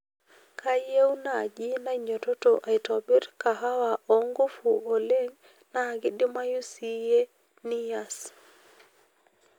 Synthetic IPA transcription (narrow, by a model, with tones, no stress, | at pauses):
kʰa˦je˦wna˨d͡ʒi˦na˦ɲo˨to˦toʔa˨jtɔ˨bi˦ɾka˨ɦa˦waʔɔ˦ŋɡo˦fuo˨le˦ŋ | na˦˨ɡi˦ɗi˦ma˦ju˦si˦je˦ | ni˦jas